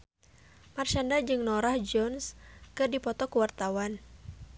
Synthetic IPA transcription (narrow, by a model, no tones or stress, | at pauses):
mart͡ʃandad͡ʒɨŋnɔɾahd͡ʒɔnskɨrdipɔt̪ɔkuwart̪awan